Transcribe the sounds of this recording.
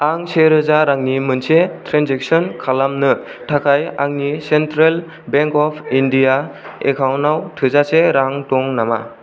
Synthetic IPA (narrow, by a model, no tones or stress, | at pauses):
aŋseɾɯzaɾaŋnimɯnsetʰɾenzek̚sɔnkʰalamnɯtʰakʰajaŋnisentɾel | beŋkɔpʰindijaḛkʰawnawtʰɯzaseɾaŋtɔŋnama̰